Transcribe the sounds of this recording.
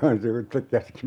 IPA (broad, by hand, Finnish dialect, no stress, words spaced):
hɑn siʋutːek kæski